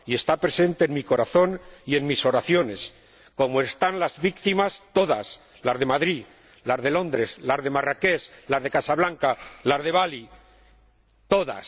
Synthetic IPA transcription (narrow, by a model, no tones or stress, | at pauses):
ie̞st̪apɾe̞se̞nt̪e̞ːnmiko̞ɾaθo̞nie̞nmiso̞ɾaθjo̞ne̞s | ko̞moe̞st̪anlazβikt̪imast̪o̞ðas | lazðe̞maðɾi | lazðe̞lo̞nd̪ɾe̞slazðe̞marake̞slazð̞e̞kasaβlaŋkalazð̞e̞β̞ali | t̪o̞ða̰s